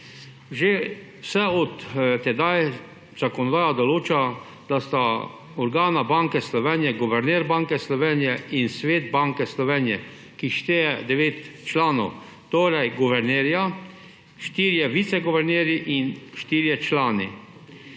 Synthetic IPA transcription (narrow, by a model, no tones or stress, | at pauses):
ʒe | wsɛɔt̪t̪ɛd̪aj | z̥akɔnɔd̪aːjad̪ɔloːt͡ʃa | d̪̥ast̪a | ɔɾɡaːnabaŋkɛslɔʋɛːnjɛɡuʋɛɾnɛːɾbaŋkɛslɔʋeːnjɛinsʋeːd̪baːŋkɛslɔʋɛːnjɛ | kiʃt̪eːjɛd̪ɛʋeːt̪t͡ʃlaːnɔ̰w | t̪oːɾɛjɡuʋɛɾneːɾja | ʃt̪iːɾjɛʋit̪sɛɡɔʋɛɾneːɾjiʔinʃt̪iːɾjɛt͡ʃlaːni